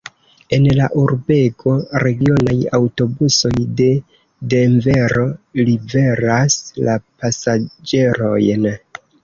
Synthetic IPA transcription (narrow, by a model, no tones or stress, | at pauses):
e̞nlaʔuɾbe̞kʰo̞ɾe̞ɡio̞najawto̞buso̞jde̞ | deɱve̞ɾo̞libe̞ɾaslapasad͡ʒe̞ɾo̞jn